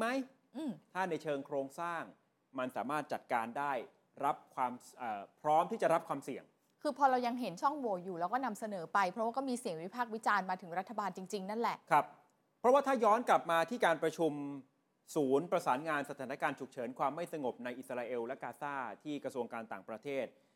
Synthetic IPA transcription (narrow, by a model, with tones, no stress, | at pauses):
ma˦˥j | ʔɯː˧˩mt̪ʰaː˥˩na˧jt͡ɕʰɤː˧ŋkʰɾoː˧ŋsaː˥˩ŋ | ma˧nsaː˩˦maː˥˩t̪̚t͡ɕa˨˩t̪̚kaː˧ndaː˥˩j | ɾa˦˥p̚kʰwaː˧mʔəː˨˩pʰɾɔː˦˥mt̪ʰiː˥˩t͡ɕa˨˩ɾa˦˥p̚kʰwaː˧msi˨˩əŋ | kʰɯː˧pʰɔː˧ɾa˧wja˧ŋɦe˩˦nt͡ɕʰɔ˥˩ŋwɔː˨˩˦juː˨˩lɛː˦˥wkɔː˥˩na˧msa˧nɤː˩˦pa˧jpʰɾɔ˦waː˥˩kɔː˥˩miː˧si˨˩əŋwi˦˥pʰaː˥˩k̚wi˦˥t͡ɕaː˧nmaː˧t̪ʰɯ˩˦ŋɾa˦˥t̪ʰːa˧baː˧nt͡ɕi˧ŋt͡ɕi˧ŋna˥˩nlɛ˨˩ʔkʰɾa˦˥p̚ | pʰːɾɔ˦˥waː˥˩t̪ʰaː˥˩jɔː˦˥nkla˨˩p̚maː˧t̪ʰiː˥˩kaː˧npɾa˧t͡ɕʰu˧m | suː˩˦npɾa˧saː˩˦nŋaː˧nsa˧aː˩˦nːa˦˥kaː˧nt͡ɕʰu˨˩k̚t͡ɕʰɤː˩˦nkʰwaː˧mːa˥˩jsa˧ŋo˨˩p̚na˧jʔi˨˩t̪sa˧ɾaː˧ʔe˧wlɛ˦˥kaː˧saː˥˩t̪ʰiː˥˩kɾa˧su˧əŋkaː˧nt̪aː˨˩ŋpɾa˧t̪ʰeː˥˩t̪̚